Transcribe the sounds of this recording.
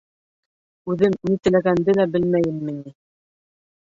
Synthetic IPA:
ʉðɘmnit̪ɘ̆læɡænd̪ɘlæbɘlmæjɘnːɘ̆ni

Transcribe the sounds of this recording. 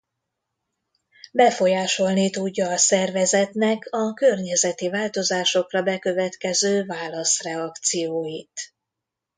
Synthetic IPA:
bɛfo̞jaːʃo̞lnit̪uɟːɒːsɛrvɛzɛt̪nɛkʰɒkørɲɛzɛt̪ivaːlt̪o̞zaːʃo̞krɒbɛkø̞vɛt̪kɛzøːvaːlɒsrɛɒkt̪sijoːjit̪

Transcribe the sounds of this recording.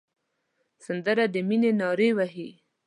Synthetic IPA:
sand̪əɾad̪əminenɑɾewaɦi

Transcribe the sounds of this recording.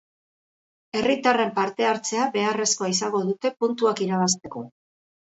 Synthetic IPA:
e̞rit̪are̞mpaɾt̪e̞aɾt͡se̞abe̞are̞sko̞aisaŋɡo̞ðut̪e̞punt̪uakiɾaβ̞ast̪e̞ko̞

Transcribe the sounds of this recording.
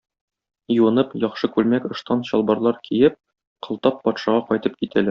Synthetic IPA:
juɤ̆nɤpjɒχʃɤkʉlmækŏʃt̪ɑnɕɒlˠbɑɾlˠɑɾkʰijɘp̚ | qɤ̆lˠt̪ɑpːɒt̪ʃɑʁɑqɒjt̪ɤp̚kit̪ʰælæɾ

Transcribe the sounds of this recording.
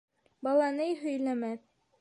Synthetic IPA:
bɑlˠɑnɤjɦɵ̆jlæmæð

